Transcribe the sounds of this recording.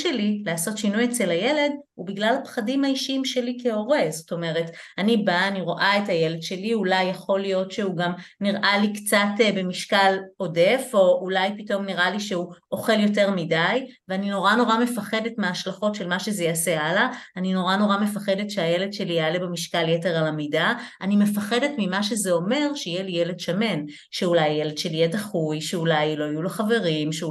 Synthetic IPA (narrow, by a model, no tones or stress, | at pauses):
ʃelileaso̞tʃinujet͡se̞lajele̞dhubiɡlalapχadimhaiʃimʃe̞likeo̞ʁe̞zo̞to̞me̞ʁe̞tanibaːniʁo̞ʔaetaje̞le̞dʃe̞liulajːaχo̞lijo̞tʃeuɡamniʁʔalikt͡satbe̞miʃkalo̞de̞fo̞ulajpito̞mniʁʔaliʃeuʔo̞χe̞ljo̞te̞ʁmidajveanino̞ʁano̞ʁame̞faχe̞detmeaʃlaχo̞tʃe̞lmaʃezejasealaːnino̞ʁano̞ʁame̞faχedetʃeajele̞dʃelialebemiʃkaljeteʁalamidaanime̞faχedetmimaʃezeo̞me̞ʁʃejelijele̞dʃame̞n | ʃeulajːele̞dʃeljedaχujʃeulajlo̞ajuloχave̞ʁimʃe